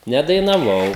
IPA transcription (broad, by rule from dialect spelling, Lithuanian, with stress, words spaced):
nʲɛdɐɪnɐˈʋɐʊ